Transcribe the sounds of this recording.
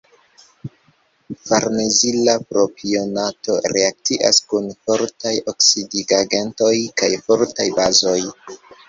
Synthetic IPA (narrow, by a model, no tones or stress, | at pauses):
faɾnezilapɾo̞pʰio̞nato̞ɾe̞ak̚tiʔa̰skunfo̞ɾtajo̞ksidiɡaɡe̞nto̞jkajfo̞ɾtajbazo̞j